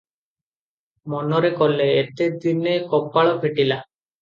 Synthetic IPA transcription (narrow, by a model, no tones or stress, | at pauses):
mɔnɔɾekɔleːt̪ed̪inekɔpaɭɔpʰeʈila